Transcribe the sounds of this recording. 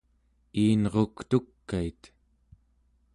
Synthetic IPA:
iːnʁokt̪ukːait̪

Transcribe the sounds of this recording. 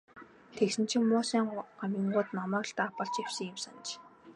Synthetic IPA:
t̪ʰeksɘ̆n̥t͡ɕʰɪ̆ŋmʊːsæːɴɢamʲĭŋɢʊːt̪namɔ̆ːɬt̪aːpə̆ɮt͡ɕew̥sɘ̆ŋɪmsan̆t͡ɕ

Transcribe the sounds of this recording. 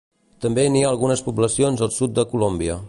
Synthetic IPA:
t̪əmbeniaːlˠɣunəspuβləsionzəlˠsut̪̚d̪əkulombiə

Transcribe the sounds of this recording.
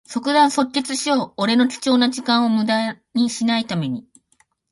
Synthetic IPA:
so̞kɯ̟d̪ãɰ̃so̞tʲːet͡sɨɕijo̞ːɾe̞no̞kʲi̥t͡ɕo̞ːnaʑikãɰ̃o̞mɯ̟d̪a | ɲ̟iɕinait̪ame̞ɲ̟i

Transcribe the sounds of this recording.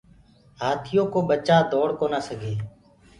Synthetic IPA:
ɦaːt̪ʰɪjõːkoːɓət͡ʃaːd̪ɔːɽkoːnaːsəɡʱeː

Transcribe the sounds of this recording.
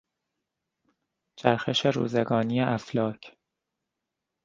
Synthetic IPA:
t͡ʃʰæɾxeʃe̞ɾṵːzeɡɒːnijeʔæflɒːcʰ

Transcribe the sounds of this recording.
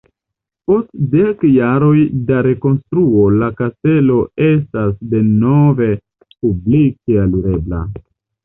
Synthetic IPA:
po̞stde̞kjaɾo̞jdaɾe̞ko̞nstɾuo̞lakaste̞lo̞e̞stasde̞no̞ve̞ | publikealuɾe̞bla̰

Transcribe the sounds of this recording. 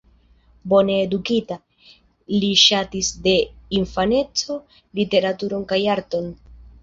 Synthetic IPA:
bo̞ne̞ːdukita | liʃatisde̞infane̞t͡so̞ | lite̞ɾatuɾo̞nkajaɾto̞n

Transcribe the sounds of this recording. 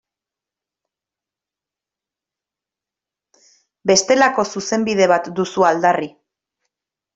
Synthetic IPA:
be̞st̪e̞lako̞suse̞mbiðe̞β̞at̪d̪usuald̪ari

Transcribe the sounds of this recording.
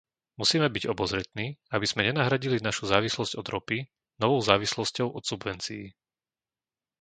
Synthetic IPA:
musiːmɛbiɟɔbɔzɾɛt̪niːabiz̥mɛɲɛnaɦɾaɟilinaʃuzaːʋislɔzɟɔd̪ɾɔpi | nɔʋɔʊzaːʋislɔscɔʊʔɔt̪subʋɛnt͡siː

